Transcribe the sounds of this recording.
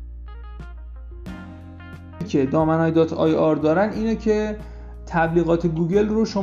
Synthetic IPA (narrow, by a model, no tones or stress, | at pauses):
cʰe̞d̪ɒːmænɒːjd̪ɒt̪ʰɒ̰ːjɒɾd̪ɒːɾæniːnecʰe̞ | t̪ʰæbliːɣɒːt̪ʰe̞ɡuːɟe̞lroʃo